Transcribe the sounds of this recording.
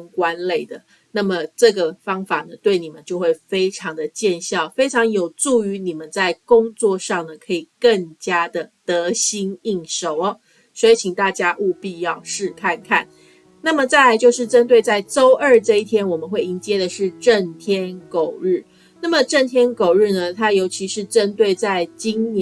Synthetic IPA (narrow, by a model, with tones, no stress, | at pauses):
ŋkwa˦˥nle˥˩ɪd̪ə˩ | na˥˩mə˩ʈ͡ʂɤ˥˩ɡə˩fɑ˥ŋfa˨˩nə˩t̪we˥˩ɪni˨˩mə˦nt͡ɕjo˥˧ʊxwe˥˩ɪfe˥ɪʈ͡ʂʰɑ˧˦ŋd̪ə˨t͡ɕjɛ˥˧nɕjɑ˥˨˩ʊfe˥ɪʈ͡ʂʰɑ˧˥ŋjo˨˩ʊt͡su˥˩y˧˦ni˨˩mə˦nt͡sa˥˩ɪkʊ˥ŋt͡swɔ˥˧ʂɑ˥˩ŋnə˩kʰɤ˧˥i˨˩kə˥˩ŋt͡ɕja˥d̪ə˨t̪ɤ˨˦ɕi˥ni˥˩ŋʂo˨˩˦ʊɐ˦ | swɔ˧˥i˨˩t͡ɕʰi˨˩ŋt̪a˥˩t͡ɕja˦ʔu˥˧pi˥˧jɑ˥˧ʊʂɻ̩˥˧˨kʰa˥˧˨nkʰa˥˩n | na˥˩mə˨t͡sa˥˩ɪla˧ɪt͡ɕjo˥˧ʊʂ̬ɻ̩˥˩ʈ͡ʂə˥nt̪we˥˧ɪt͡sa˥˩ɪʈ͡ʂo˥ʊʔə˞˥˧ʈ͡ʂɤ˥˧i˥˩t̪ʰjɛ˥nwɔ˨˩mə˨˦nxwe˥˩ɪi˧˥nt͡ɕjɛ˥d̪ə˨ʂɻ̩˥˧ʈ͡ʂə˥˨˩nt̪ʰjɛ˥nko˨˩ʊɻ̩˥˩ | na˥˩mə˨ʈ͡ʂə˥˩nt̪ʰjɛ˥nko˨˩ʊɻɻ̩˥˩nə˨t̪ʰa˥jo˧˥ʊt͡ɕʰi˧˥ʂɻ̩˥˩ʈ͡ʂə˦nt̪we˥˧ɪt͡sa˥˩ɪt͡ɕi˥ŋn